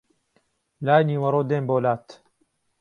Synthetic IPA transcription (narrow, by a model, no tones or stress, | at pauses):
laːjniːwɐɾoːd̪eːmboːlaːt̪